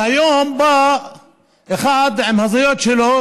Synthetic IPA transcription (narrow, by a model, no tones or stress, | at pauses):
hajomba | exad̪ʕɪmhazajot̪ʃelo